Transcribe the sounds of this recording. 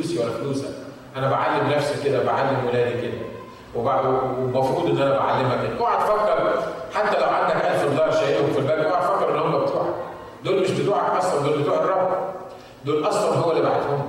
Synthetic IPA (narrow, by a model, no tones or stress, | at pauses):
uːsiwælːæfluːsæ̰ | ʔænæbaʕalːemnæfsiked̪æbeʕalːemwelæːd̪iɡed̪ːæ̰n | webaʕd̪mɑfɾuːd̪ˤʔenːʔænæbaʕalːemæked̪ʔoaʕæt̪fækːɑɾˤħat̪ːælæwʕand̪ækʔæfibd̪ɑːɾˤʃæjelhomfilbæɾɡʔoʕfækːɑɾʔenːhomːæbet̪uːʕɑk | d̪oːlmeʃbet̪uːʕɑkʔæsælænd̪oːlbet̪uːʕerˤːɑb | d̪oːlʔɑsˤwɑnɦowːælːiba̰ʕet̪homː